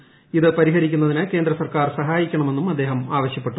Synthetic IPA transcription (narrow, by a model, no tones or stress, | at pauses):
iðɨpɐɾiɦɐɾikʲːunːɐðinɨke̞ːnd̪ɾɐsɐrkaːrsɐɦaːjikʲːɐɳɐme̞nːumɐd̪ːe̞ːɦɐmaːʋɐɕjɐpːe̞ʈːu